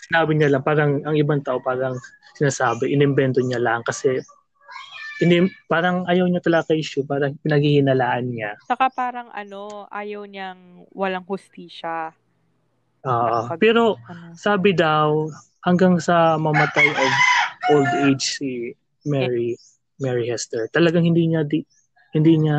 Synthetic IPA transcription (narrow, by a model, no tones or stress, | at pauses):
sɪnaːbɪɲalɐŋpaːɾɐŋɐŋɪbaŋt̪aʔo̞paːɾɐŋ | sɪnaːsaːbɪʔɪnɪmbɛnt̪oɲalɐŋkɐsɛ | ʔɪnɪpaːɾɐŋʔɐjɐwɲat̪ɐlɐɡakɐjʔɪʃʊpaːɾɐŋpɪnɐɡhihɪnɐlaːʔɐnɲat͡ʃɐkapaːɾɐŋʔɐ̰noʔaːjɐwɲɐŋwɐlaŋhʊst̪iːʃɐ | ʔoːʔopɛːɾo̞saːbɪd̪ɐw | hɐŋɡaŋsɐmɐmɐt̪ajʔɐɡʔold̪ejd͡ʒsi | mɛɹi | mɛɹɪhɛst̪ɛɹt̪ɐlɐɡaŋhɪnd̪iːɲad̪i | hɪnd̪iːɲa